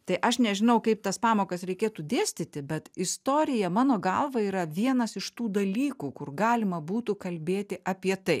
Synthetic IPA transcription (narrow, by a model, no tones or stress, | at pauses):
t̪ɐɪʔɐʃnʲɛʒʲɪnɐʊkɐɪp̚t̪ɐspɑːmoːkɐsɾʲɛɪkʲeːt̪uːd̪ʲeːsʲt̪ʲɪt̪ʲɪbʲɛt̪ɪst̪oːɾʲɪjɛmɑːnoːɡɐlˠʋɐiːɾɐʋʲiɛnɐsɪʃt̪uːd̪ɐlʲiːkuːkʊrɡɑːlʲɪmɐbuːt̪ukɐlʲbʲeːt̪ʲɪʔɐpʲiɛt̪ɐɪ